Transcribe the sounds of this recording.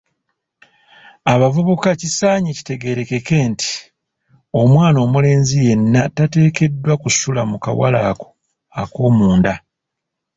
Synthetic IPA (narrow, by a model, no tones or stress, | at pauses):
aβavuβukacisaːɲici̥te̞ɡe̞ɾe̞ke̞ke̞ːnti̥ | o̞mwaːno̞ːmule̞ːnzije̞nːatate̞ːke̞dːwakusulamuka̰wa̰laːko̥ | ako̞ːmuːnda